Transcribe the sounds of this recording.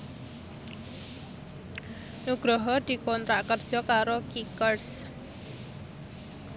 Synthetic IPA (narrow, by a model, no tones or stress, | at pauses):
nuɡ̥ɾɔɦɔd̪̥i̤kɔnt̪ɾaʔkərd̥ʒ̥ɔ̤kaɾokikərs